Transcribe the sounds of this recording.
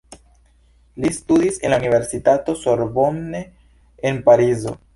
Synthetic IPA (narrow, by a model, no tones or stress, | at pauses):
listudise̞̰nlaunive̞ɾsitato̞soɾbomne | enpaɾizo̞̰